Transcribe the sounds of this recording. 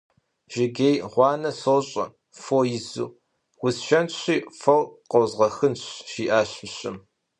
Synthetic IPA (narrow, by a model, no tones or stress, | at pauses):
ʒ̥ɪɡejʁʷɑːnɐsoːɕʼɐ̰ | foːjɪzṵː | wʷʊsʃɐnɕiːfɐwqɐwzʁɐxɨnɕʃiːʔaːɕɕʼɪm